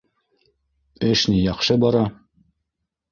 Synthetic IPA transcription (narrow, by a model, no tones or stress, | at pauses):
ɘʃnijɑχʃɤbɑɾɑ